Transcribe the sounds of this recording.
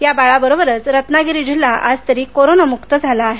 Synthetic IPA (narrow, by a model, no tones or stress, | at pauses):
jabaɭabəɾobəɾət͡sɾət̪naɡiɾiːd͡ʑilːaʔad͡zt̪əɾiːkoɾonamukt̪əd͡zʱalaːɦe